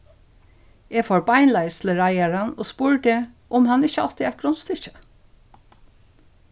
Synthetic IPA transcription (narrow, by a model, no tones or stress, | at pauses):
eːfoːɹbɑɪnlæɪsləɹæɪæɹənoːspuːɹd̪eː | ʔɔmhɑnəɪçəɑlt̪ɪæt̪̚ɡ̥ɾʊnst̪ɪçə̥